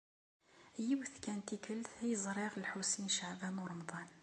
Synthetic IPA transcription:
jəwθkænt̪ikəlθhjəzˤɾiɣəlħusinʃaʕbæmuɾˤɑmd̪ˤɑn

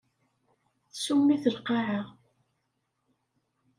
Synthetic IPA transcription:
θəsumːiθəlqɑʕəʁ

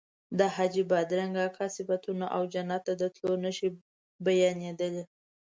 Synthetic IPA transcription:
d̪əhad͡ʒibɑd̪ɾaŋɡakʰɑsɪfat̪unaʔawd͡ʒanɑt̪ːad̪ət̪lonəʃi | bajɑned̪əle

